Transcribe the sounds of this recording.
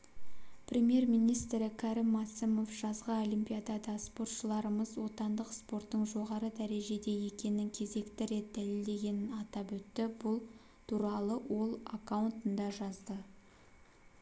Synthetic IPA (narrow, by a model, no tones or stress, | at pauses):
pʰɾʲe̞mje̞ɾmijnijst̪ɾɪkʰaɾimmasəmo̞fʒ̥ɑzʁəo̞limpʲijad̪ad̪ɑspo̞ɾt̪ʃəlˠɑɾəməzwo̞t̪ɑnd̪əqspo̞ɾt̪ːəɴʒo̞ʁɑɾəd̪æɾe̞ʒe̞d̪e̞je̞kʲe̞nɪŋkʲʰe̞ze̞kt̪ɪɾe̞t̪̚d̪æle̞ld̪e̞ɡʲe̞nɪnɑt̪ɑpwɵt̪ːɪbʊlˠ | t̪ʰuɾɑlˠəwo̞lˠakawnt̪ənd̪ɑʒɑzd̪ə